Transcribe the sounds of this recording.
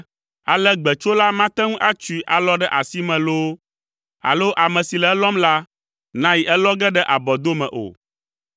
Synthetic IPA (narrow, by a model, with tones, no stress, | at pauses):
a˨lɛ˦ɡ͡bɛ˨t͡ʃo˦la˦mã˦t̪ɛ˦ŋũ˦ʔa˦t͡ʃu˨i˨ʔa˨lɔ˦ɖɛ˦ʔa˨si˦mɛ̃˨lo˦ | a̰˨lo˦ʔa˨mɛ̃˨si˨lɛ˨ɛ˦lɔ˦mla˦ | nã˦ji˨ʔɛ˦lɔ˦ɡɛ˦ɖɛ˦ʔa˨bɔ˨d̪o˦mɛ̃˨ʔo̰˨